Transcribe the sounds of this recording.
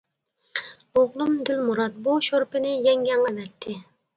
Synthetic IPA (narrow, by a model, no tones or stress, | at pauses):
oʁlˠumd̪ɪlmuɾɑt̪̚buʃoɾpɪnɪjɛŋɡʲɛŋʁɑvɛt̪ʰːɪ